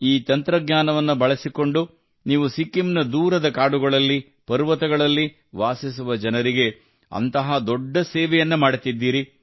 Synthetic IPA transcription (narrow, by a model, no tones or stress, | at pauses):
iːt̪ɐnt̪ɾɐɡɲaːnɐʋɐnːubɐɭɐsiko̞ɳɖu | niːʋusikːimnɐd̪uːɾɐd̪ɐkaːɽuɡɐɭɐlːi | pɐɾʋɐt̪ɐɡɐɭɐlːi | ʋaːsis̬uʋɐd͡ʒɐnɐɾiɡe̞ | ɐ̰nt̪ɐɦɐd̪ɔɖːɐseːʋɛjɐnːumaːɽut̪id̪ːiːɾi